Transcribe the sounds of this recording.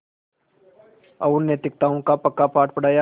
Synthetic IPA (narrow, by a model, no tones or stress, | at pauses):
ɐʊnnːeːt̪ɪk̚t̪aːõkapɐkːapaːʈpəɽaːja